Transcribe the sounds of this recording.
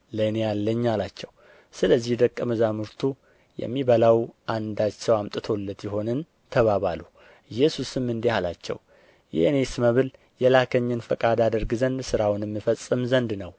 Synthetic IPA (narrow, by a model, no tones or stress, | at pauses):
lənealːəɲːalat͡ʃːɛw | sɨləzːihd̪əkʼːəməzamɨɾt̪ʰu | jɛ̰mːiβəlawʔand̪at͡ʃːɛwamt̪ʼɨt̪ʰo̞lːət̪jɪɦo̞nɨn | t̪ʰəβaβalu | ɨjːɛsusɨmːɨnd̪ehala̰t͡ʃːɛ̰w | jɛ̰ʔne̞sməβɨl | jɛlakʰəɲːɨnfəkʼad̪ad̪əɾɡɨzənd̪sɨɾawnɛmːɨfəsʼːɨmzənd̪nəw